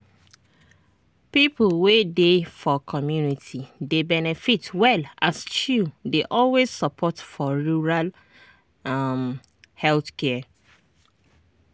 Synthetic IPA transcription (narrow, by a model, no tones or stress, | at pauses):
pipʰlwedefɔkʰɔmjunitʰidebɛnɛfitwɛlast͡ʃudeʔɔlwezsəpʰɔtfɔɹuɹal | m | hɛlθkɛ